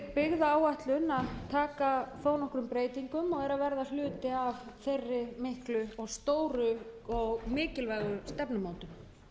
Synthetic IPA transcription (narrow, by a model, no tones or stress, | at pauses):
pɪɣðaaːwaht̪lʏnːat̪ʰaːkaθoːwnɔhkɾʏmpɾeːjt̪iŋkʏmɔɣɛɾavɛɾðal̥ʏːt̪ɪavθejrːɪmɪhklʏɔɣst̪oːwɾʏɔɣmɪːcɪlvajɣʏst̪ɛpnʏmoːwt̪ʏm